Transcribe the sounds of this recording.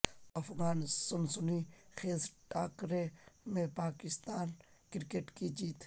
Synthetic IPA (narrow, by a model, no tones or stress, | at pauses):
ɐfɣaːnsʊnsʊnixeːzʈaːkɾemẽpaːkɪst̪aːn | kɪɾkeʈkid͡ʒiːt̪